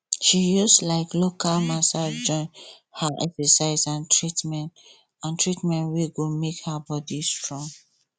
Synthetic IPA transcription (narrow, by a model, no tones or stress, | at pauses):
ʃijuslaɪklokalmasad͡ʒɔ̃ɪ̃n | haʔɛ̰̃fəsaɪzãntʰɹitmɛ̃nt | ãntʰɹitmɛ̃ntweɡomekhabɔdistɹɔ̃ŋ